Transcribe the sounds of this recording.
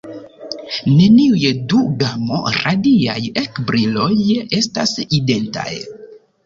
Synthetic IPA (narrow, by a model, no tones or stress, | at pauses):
ne̞niujeduɡamo̞̰ɾadia̰jekbɾilo̞je̞staside̞nta̰j